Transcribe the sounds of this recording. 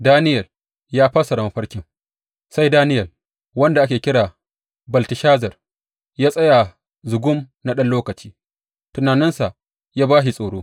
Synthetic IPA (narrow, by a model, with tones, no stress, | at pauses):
daː˦nɪ˦jɐ˨l | jaː˦ɸɐ˦sɐ˨ɽɐ˨mɐ˨ɸɐ˦ɽkʲɪ˦ŋ | sa˦jdaː˦nɪ˦jɐ˨l | wɐ˦nda˨ʔa˦kʲeː˨kʲɪ˦ɽaː˨ | bɐ˨ltɪ˨ʃaː˦zɐ˨r | jaː˦sʼɐ˦ja˨ | zʊ˨ɡʷʊ˦m | na˦ɗɐ˦nloː˦kɐ˨t͡ʃiː˦ | tʊ˨naː˨nɪ˦nsa˨ʔ | jaː˦baː˦ʃ̬i˨sʼoː˨ɽoː˦